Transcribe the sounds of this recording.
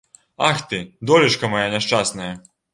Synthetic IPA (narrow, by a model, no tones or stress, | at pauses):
axt̪ɨd̪ɔlʲiʂkɐmɐjanʲɛʂt͡ʂasnɐjɐ